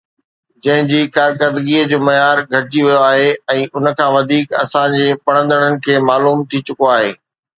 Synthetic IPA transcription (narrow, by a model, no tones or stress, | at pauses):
d͡ʑɐ̃ɦɪ̃d͡ʑiːkaːɾkəɾd̪ɡiəd͡ʑoːmɐjaːɾɡʱɐʈɪd͡ʑiʋijoaːɦeɛ̃ːʔʊnə̆kʰãːʋɐd̪ʱiːkɐ̰sãd͡ʑeːpɐɽ̃ə̃nd̪əɽ̃ənɪ̆kʰeːmaːluːmt̪ʰit͡ɕʊkoaːɦeː